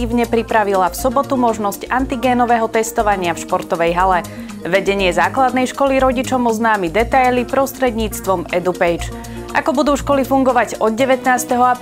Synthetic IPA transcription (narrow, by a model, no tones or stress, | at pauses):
iːʋɲɛpɾipɾaʋilafsɔbɔt̪umɔʒnɔscant̪iɡɛːnɔʋɛːɦɔt̪ɛst̪ɔʋaɲɪafʃpɔɾt̪ɔʋɛjɦalɛ | ʋɛɟɛɲɪɛzaːklad̪nɛjʃkɔliɾɔɟit͡ʃɔmɔznaːmid̪ɛt̪ajlipɾɔst̪ɾɛd̪ɲiːt͡st̪ʋɔmɛd̪upɛjt͡ʃ | ʔa̰kɔbud̪uːʃkɔlifuŋɡɔʋaɟɔd̪̚ɟɛʋɛt̪naːst̪ɛɦɔap